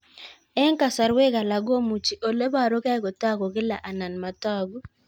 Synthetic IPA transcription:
ɛ˦ŋ˦ka˨sa˨ɾwe˦ɡa˨la˨ɡo˦mu˨t͡ʃi˨ʔo˨le˦ba˦˨ɾo˦ka˦kɔ˨ta˦ɡɔ˨ɡɪ˦la˨ʔa˨na˨nma˨tɔ˦˨ɡo˦

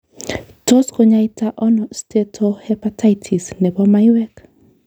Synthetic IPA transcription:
to˦sko˨ɲa˦i˦ta˦ʔɔ˦nɔ˨ste˦tʰo˦hɛ˦pata˦itʰi˨snɛ˨bɔ˦ma˦iwɛ˦k

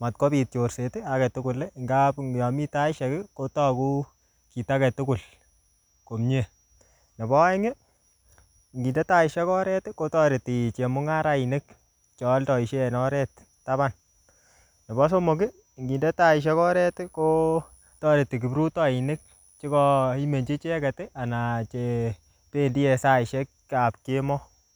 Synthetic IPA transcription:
ma˨t̚ko˦bi˨t̚o˨ɾse˨tɪ˦a˨kɛ˨tu˦kʊ˨le˦˨ŋɡa˦pjɔ˨mi˦ta˦i˦ʃɛ˨kɪ˦ko˦tɔ˦ku˦ | ki˨ta˦kɛ˨tu˦kʊ˨l | ko˨mɲe˨ | ne˨bɔ˦ŋe˦˨ | ŋɡi˨nde˦ta˦i˨ʃɛ˦kɔ˦ɾɛ˦tko˦tɔ˦ɾe˨ti˨t͡ʃe˨mʊ˦ŋa˦ɾa˦i˨nɪ˦k | t͡ʃɔ˨˦ltɔ˨i˨ʃe˦˨nɔ˦ɾɛ˦t | tːa˦ba˦˨n | ne˨bɔ˦s̬o˦mo˨ki˦ | ŋɡi˨nde˦ta˦i˨ʃ̬e˦kɔ˦ɾɛ˦tko˦ | tɔ˦ɾe˨tːi˨k̬i˨bɾu˦tɔ˦i˨nɪ˦k̚ | t͡ʃi˦kɔ˦i˦me˨nd͡ʒi˦t͡ʃe˦kɛ˨te˦ʔa˨na˨t͡ʃe˨ | pe˦ndi˦e˨sa˦i˨ʃɛ˦kkːa˨p̚ke˦mɔ˦

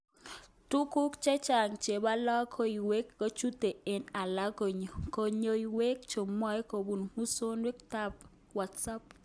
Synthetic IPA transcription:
tu˦ku˦kt͡ʃɛ˦t͡ʃa˨ŋt͡ʃe˨ba˦lɔ˦kʰo˦i˨we˦kːo˦t͡ʃu˦te˨e˨na˨la˦ko˨ɲo˨ko˨ɲo˨i˨we˦kt͡ʃo˨mwɔ˦jko˨bu˨nmu˦so˦nwe˦k̚ta˦p | wa˨tsa˦p̚

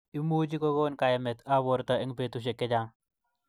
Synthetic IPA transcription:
i˦mu˦d͡ʒi˦ko˦ɡo˦nka˨jɛ˨mɛ˨ta˦bɔ˨ɾta˨ɪ˦ŋpe˨tu˨ʃ̬e˨kːɪ˦d͡ʒa˦ŋ

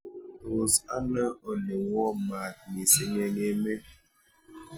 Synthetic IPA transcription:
o˨sa̰˦nə˦o˨ne˨wɔ˦ma˨t̚mi˨si˦ŋe˦ŋe˦me˦

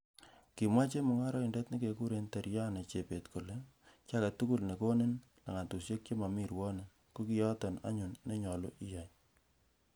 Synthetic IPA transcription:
ki˨mwa˦t͡ʃe˦mʊ˨˦ŋa˦ɾɔ˦i˨ndɛ˦tni˦ke˨ku˦ɾe˦nta˨ɾja˦ne˨t͡ʃe˨pe˨tko˨le˦ | t͡ʃa˦ka˨tu˦ku˦lne˨ko˦ne˦n | la˨ŋa˨tu˨sje˦k̚t͡ʃo˦ma˨mi˦ɾwɔ˦ne˨ | ko˦ki˦jɔ˦tɔ˨na̰˦ɲu˨nːe˦ɲɔ˨lo˦ʔi˦ja˨ɲ

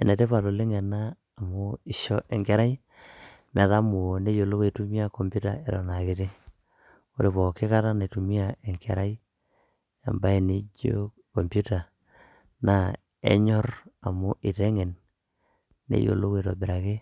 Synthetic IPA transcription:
e˨ne˨te˦pa˨lo˨le˦ŋe˨naː˦˨ | mʊ˦i˨ʃɔ˦ʔe˨ŋke˦ɾa˦ji˦ | m˨a˨ða˦mu˨ne˦jo˨lo˦ke˨tu˦mi˦a˦ko˨mpu˦ta˨e˨ɾɔ̰˨na˨ke˨te˦ | ko̰˦ɾe˨pɔ˨ke˦ka˦ta˦ne˨tu˨mi˦a˨e˨ŋkḛ˨ɾa˦i˦ | a̰˨mba˦e˨ne˦ɟo̰˦ | ko˨mpu˦ta˨ | na˦ | ḛ˦ɲɔ˦ɾa˨mu˦ʔi˨te˦ŋe˨n | ḛ˦jo̰˨lo˦ke˨to˨bɪ˨ɾa˨ke˦

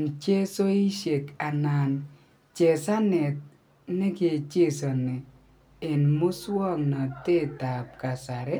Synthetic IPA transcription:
nt͡ʃe˦so˦i˦ʃe˨ka˨na˨n | t͡ʃe˨sa˦nɛ˨t̚ | ne˦ɡe˨t͡ʃe˦˨so˨nɪ˨ | ɪ˨nmʊ˦swɔ˦˨ŋnɔ˨te˦˨ta˨p̚ka˨sa˨ɾɛ˦

